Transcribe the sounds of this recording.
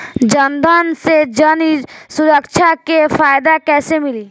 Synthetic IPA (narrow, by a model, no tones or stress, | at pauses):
d͡ʒənd̪ʱaːnsed͡ʒənisʊɾəkʃʰakefaːjd̪akɛːsemɪliː